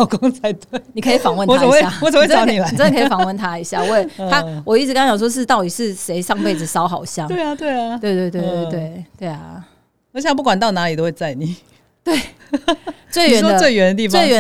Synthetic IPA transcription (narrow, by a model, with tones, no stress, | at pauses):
ʊko˧˥ŋt͡sʰa˧˦ɪt̪we˥˩ni˨˩kʰɤ˧˥i˨˩fɑ˨˩ŋwə˥˩n˨aə˨˧we˥˩a˥˨wɔ˨t͡sə˨˩ŋwe˥˩˧ɑ˨˦˥ni˨˩la˧˦ɪ˨ə˥nə˨kʰfɑ˨˩ŋwə˥˩nt̪ʰa˥i˧˥ɕja̰˥˩˦we˥˩ɪa˥wɔ˨˩i˥˩ɻ̩˥kɑ˥ŋɕjɑ˨˩ʂ̬wɔ˥ʂ̬ɻ̩˥˧t̪ɑ˥˩ʊt̪i˨˩ʂɻ̩˥˩ʂe˧˥ɪʂɑ˥˧ŋpe˥˩ɪd͡z̩˨˩ʂɑ˧˥ʊxɑ˨˩ʊɕjɑ˥˨t̪we˥˩ɪa˨t̪we˥˩ɪ˩we˥˧ɪt̪we˥˧ɪt̪we˥˧ɪtt̪we˥˧ɪt̪we˥˩ɪt̪we˥˩ɪɐ̰˩˧˥ | ɕj̃p̬u˥˩kwa˨˩nt̪ɑ˥˩ʊna˧˥li˨t̪o˥ʊwe˥˧ɪt͡sa˥˩ɪni˨˩˦ | t̪we˥˩ɪ | t͡swe˥˩ɥɛ˧˦˥ə˧we˥ɪɥɛ˧˥nd̪ə˨t̪i˥˧˩t͡swe˥˩ɪɥɛ˧˦